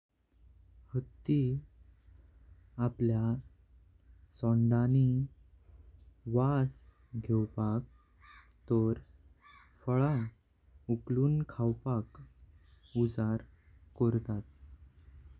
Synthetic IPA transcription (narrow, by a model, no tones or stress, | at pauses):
hət̪ːi | aplja | sɔɳɖani | ʋas | ɡʱewpak̚ | t̪ɔɾ | fəɭa | ukluːnkʰawpak | ud͡zaɾ | kɔɾt̪at̪̚